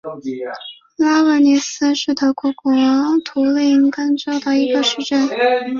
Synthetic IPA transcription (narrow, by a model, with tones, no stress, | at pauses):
la˥wə˧˥ni˧˥sɹ̩˥ʂɻ̩˥˩t̪ʰɤ˧˥kʰɔ˧˥kwɔ˥˧˦t̪ʰu˧˥li˥˩ŋkə˥ŋʈ͡ʂo˥ʊd̪ə˩i˧˥ɡə˧ʂɻ̩˥˧ʈ͡ʂə˥˩n